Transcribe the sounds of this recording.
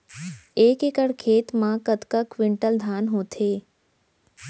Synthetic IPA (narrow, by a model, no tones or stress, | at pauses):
eːkekəɽkʰeːt̪mãkət̪kəkʋɪɳʈəld̪ʱaːnɦoːt̪ʰeː